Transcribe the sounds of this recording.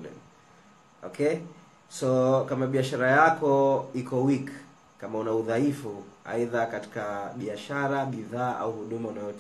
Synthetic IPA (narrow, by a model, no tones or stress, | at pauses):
ɛ̰ | ɔkʰɛ | sɔkamaɓiaʃaɾajakɔikɔwik | kamaunauðaifua̰iðakati̥kaɓiaʃaɾaɓiðaːʔa̰uhuɗumaunajɔ